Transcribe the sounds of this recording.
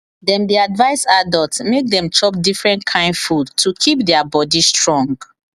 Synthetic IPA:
dɛ̃ndiadvaɪsadɔltsmek̚dɛ̃mt͡ʃʰɔp̚difɹɛ̃ntkʰãɪ̃ndfudtʰukʰip̚dɛabɔdistɹɔ̃ŋɡ

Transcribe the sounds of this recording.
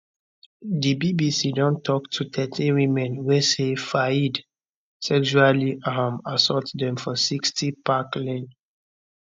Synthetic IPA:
dibibisidɔ̃ntʰɔktʰutʰɛtʰiwimɛ̃nwɛsefaid | sɛkʃualiʔamasɔtdɛ̃mfɔsikstʰipaklɛ̃n

